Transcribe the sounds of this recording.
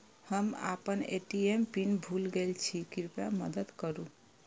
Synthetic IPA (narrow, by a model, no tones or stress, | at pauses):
həma̰pəneʈiempinbʱulɡelt͡ʃʰikiɾpaməd̪əd̪kəɾu